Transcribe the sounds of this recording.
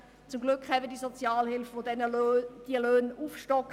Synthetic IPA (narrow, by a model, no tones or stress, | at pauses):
t͡sʊmɡlʏkχhɛbədiəzɔt͡sjaːlhɪlfʋodɛnəld̥iəløːnuːfʃtɔk